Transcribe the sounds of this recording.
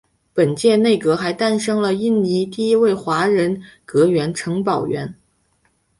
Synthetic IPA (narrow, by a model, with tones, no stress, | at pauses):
pə˨˩nt͡ɕjɛ˥˧ne˥˩ɪkɤ˧˥xa˧˥ɪt̪a˥˧nʂɤ˥ŋlə˨i˥˩nni˧˥t̪i˥˩˧i˥we˥˩ɪxwa˧˥ɻə˧˥nkɤ˧˥ɥɛ˧˥nʈ͡ʂʰɤ˧˥ŋpɑ˨˩ʊɥɛ̰˧˥n